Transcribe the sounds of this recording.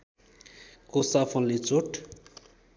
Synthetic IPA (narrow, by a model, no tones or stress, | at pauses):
kosapʰʌnlet͡soʈ